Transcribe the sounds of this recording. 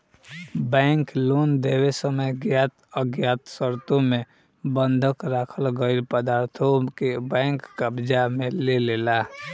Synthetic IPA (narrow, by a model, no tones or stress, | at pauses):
bɛ̃ːŋkloːnd̪ewesəməjɡjaːt̪əɡjaːt̪səɾt̪õmẽ | bə̃nd̪ʱəkɾaːkʰəlɡəɪɾpəd̪aːɾt̪ʰokebɛ̃ːŋkːəbd͡ʒamẽleleːla